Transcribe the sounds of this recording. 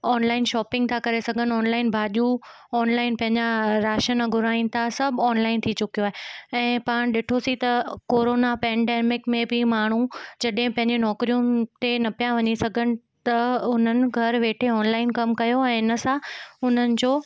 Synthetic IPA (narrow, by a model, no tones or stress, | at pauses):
ɔːnlaːɪnʃɔːpɪ̃ŋɡ̚t̪ʰakɐɾesɐɡʱənɔːnlaːɪnbʱaːʄu | ɔːnlaːɪnpɐ̃ɦɪ̃ɲd͡ʑaɾaːʃənɐɡʱʊɾaːĩnɪ̆t̪ʰasɐbʱɔːnlaːɪnt̪ʰit͡ɕʊkijoaːɦeɛ̃ːpaːɽ̃ɗɪʈʰosit̪ɐkoːɾoːnapɛ̃ːɳɖeːmɪkmẽbʱɪmaːɽ̤̃ud͡ʑɐɗɦɪ̃pɐ̃ɦɪ̃ɲd͡ʑenɔːkɾijũt̪enɐpijãʋɐɲisɐɡʱənɪ̆ | t̪ɐʊn̤ənɪ̆ɡʱɐɾʋeːʈʰeɔːnlaːɪnkɐmkɐjoɛ̃ːɪnə̆sãʊn̤ənɪ̆d͡ʑoː